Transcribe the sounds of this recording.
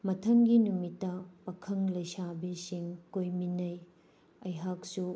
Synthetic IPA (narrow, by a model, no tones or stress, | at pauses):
mɐtʰɐŋɡinumitːɐpɐkʰɐŋlɐjsabisiŋkojminɐj | ɐjɦak̚su